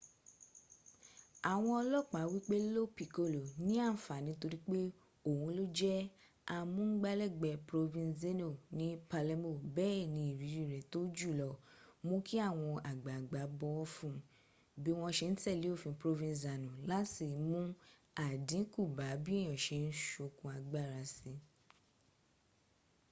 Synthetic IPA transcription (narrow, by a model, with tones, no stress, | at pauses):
a˨w̃ɔ̃˧˦ɔ˧lɔ˦˨k͡pa˨˦wi˦k͡pe˦lo˦pi˨ko˦˨lo˨nĩ˦a˦˨fa˨nĩ˨˦to˧ɾi˦k͡pe˦ | o˦˨wũ˧lo˦d͡ʒɛ˦ | a˧mũ˦ɡ͡ba˦lɛ˦˨ɡ͡bɛ˧˨pɾo˧vĩ˧ze˦no˨nĩ˦pa˧lɛ˧˦mo˦˨bɛː˦ɛ˦˨nĩ˧˨i˨ɾi˨˦ɾi˦˨ɾɛ˨to˦d͡ʒu˦˨lɔ˧˨mõ˦kʰi˦a˦˨w̃ɔ̃˧a˨ɡ͡ba˨ɡ͡ba˨˦bɔ˧˦ɔ˦fũ˧ | bi˨˦w̃ɔ̃˧ʃe˧n̩˦tɛ˦˨le˨˦o˦˨fĩ˧pɾo˧vĩ˧za˨nũ˨la˦si˨mũ˦ | a˨dĩ˨˦ku˦˨ba˨˦bi˦e˦˨j̃ɔ̃˨ʃe˧n̩˦ʃo˧kũ˧˦a˧ɡ͡ba˦˨ɾa˧si˧˦